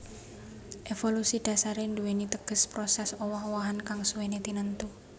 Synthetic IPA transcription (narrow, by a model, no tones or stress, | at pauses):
ʔefolusid̪̥a̤saɾenduwenit̪əɡ̥ə̤spɾosɛsɔwɔhwaɦankaŋsuwenet̪inənt̪u